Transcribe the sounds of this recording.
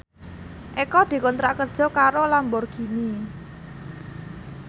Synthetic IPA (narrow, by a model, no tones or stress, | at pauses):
ʔekɔd̪̥i̤kɔnt̪ɾaʔkərd̥ʒ̥ɔ̤kaɾolambɔrɡ̥i̤ni